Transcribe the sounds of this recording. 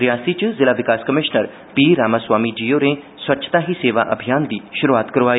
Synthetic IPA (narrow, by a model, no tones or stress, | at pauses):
ɾɪjaːsit͡ʃzɪlaʋɪkaːskəmɪʃnəɾ | piːɾaːmaːswaːmid͡ʒiːjoɾẽ | swɐtːʃʰt̪aɦiseːʋa̰ʔɐ̰bʱijaːnd̪iːʃʊɾuaːt̪kɐɾoaːi